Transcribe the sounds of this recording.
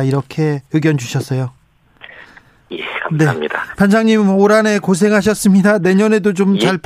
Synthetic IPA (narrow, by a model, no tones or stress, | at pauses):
iɾʌkʰe̞jɯɡjʌnd͡ʑuɕʰʌs͈ʌjo | jekane̞aɲidapansʰaŋɲimoɾane̞kos̬ʰe̞ŋɦaɕ̬ʰʌs͈ɯmɲidane̞ɲʌnedot͡ɕomt͡ɕaɭp